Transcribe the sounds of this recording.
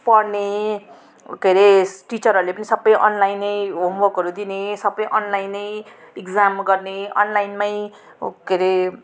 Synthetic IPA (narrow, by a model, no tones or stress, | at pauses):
pʌrne | keɾeʈit͡sʌɾɦʌɾulepʌnisʌbːʌjʔʌnlajnʌjɦombokʌɾud̪inesʌbːʌjʔʌnlajnʌj | iɡd͡zamɡʌrneʌ̰nlajnmaj | keɾe